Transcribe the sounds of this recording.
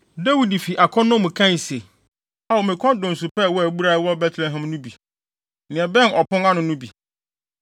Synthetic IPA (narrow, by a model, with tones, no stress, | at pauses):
dæ˦wi˨di˨fi˨ʔa˨kʰɔ̃˦nːʊ̃˦mʊ̃˨kʰã˦˨se˨ | a˦wo˨mɪ̃˨kʰɔ̃˦n˦dʊ̃˨n˨su˨pɛ˦˨wɔ˦æ˨bu˦ɾa˦wɔ˦bɛ˦tʰlɛ˨ɦɛ̃˨mnʊ̃˦bi˨ | nɪ̃˨ɛ̃˨bɛ̃˦nɔ˨pʊ̃˦nã˦nʊ̃˨nʊ̃˦bi˨